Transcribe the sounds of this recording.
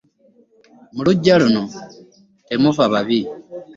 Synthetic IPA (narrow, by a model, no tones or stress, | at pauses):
muluɟːaluno | temufaβaβi